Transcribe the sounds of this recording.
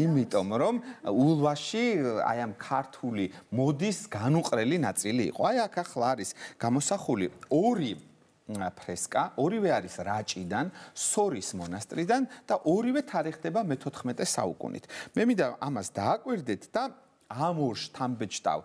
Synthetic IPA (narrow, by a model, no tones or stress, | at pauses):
imit̪ʼɔmɾɔmulˠvaʃia̰jamkʰaɾt̪ʰulimɔd̪isɡanuqʼɾɛlinat̪sʼilḭːqʼɔajakʰaχlˠaːɾisɡ̥amɔsaχuliɔɾi | pʰɾɛskʼaʔɔɾivɛaɾisɾat͡ʃʼid̪ansɔɾismɔnast̪ʼɾid̪and̪̥aʔɔɾivɛt̪ʰaɾɛχd̪ɛbamɛt̪ʰɔt̪ʰχmɛt̪ʼɛsa̰ṵkʼṵnḭt̪ʰmɛmind̪aʔamasd̪aːkʼwiɾd̪ɛt̪ʰd̪̥a | amɔɾʃt̪ʰambɛt͡ʃʰt̪ʼa̰v